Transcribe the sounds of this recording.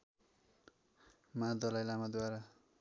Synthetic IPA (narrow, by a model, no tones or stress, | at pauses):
mad̪ʌlajlamad̪waɾa